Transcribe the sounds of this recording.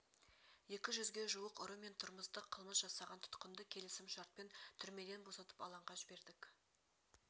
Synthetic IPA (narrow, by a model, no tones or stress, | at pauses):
je̞kʲɪʒʏzɡʲe̞ʒuwəqʊɾəme̞nt̪ʰʊɾməst̪əqʰːəlˠməsʒ̥ɑsɑʁɑnt̪ʰʊ̥t̪qənd̪əkʲʰe̞lɪsɪmʃɑɾt̪̚pe̞nt̪ʰʏɾme̞d̪e̞nbo̞sɑt̪ə̥pɑlˠɑɴʁɑʒɪbe̞ɾd̪ɪk